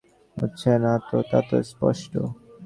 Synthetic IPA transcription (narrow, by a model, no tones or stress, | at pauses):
ɦo̰tːɕʰenat̪ot̪at̪ospɔʃʈo̰